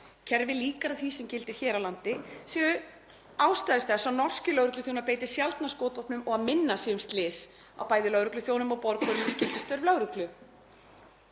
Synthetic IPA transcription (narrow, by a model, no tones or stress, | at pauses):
cʰɛɾvɪliːkaɾaθvisɛmcɪlt̪ɪɾ̥çɛːɾawlant̪ɪsiɣʏ | aːwst̪ajðɪɾθɛsːawnɔr̥scɪlœɣɾʏklʏθjownaðpeːjt̪ɪ̥sjalt̪naskɔːt̪vɔpnʏmɔɣaðmɪnːasiːʏmst̪lɪːs | a̰wpaːjðɪlœɣɾʏklʏθjownʏmawpɔɾkʰɔɾʏmɛscɪft̪ɪ̥st̪œɾvlœɣɾʏklʏ